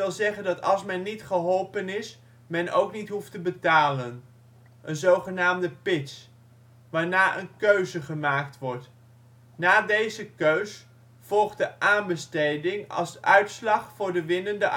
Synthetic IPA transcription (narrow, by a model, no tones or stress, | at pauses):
ɪlˠzɛχəndɑtɑ̰lˠsmɛnːitχəɦɔlˠpənɪs | mɛno̰wknitɦuftəbətaːlən | ʔənzowχənaːmdəpɪts | ʋaːɹnaːʔə̰nkøɥzəχəmaːktʋɔɹt | naːdejzəkøɥs | v̥ɔlˠχdəʔaːnbəstejdɪŋɑ̰lsœɥtslɑχfʊːɹdəʋɪnəndəʔ